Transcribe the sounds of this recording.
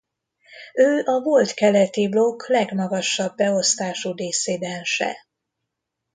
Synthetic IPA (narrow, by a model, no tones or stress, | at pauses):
øːʔɒvo̞lt̪kɛlɛt̪iblo̞klɛɡmɒɡɒʃɒbːɛo̞st̪aːʃuːd̪eːseːd̪ɛnʃɛ̰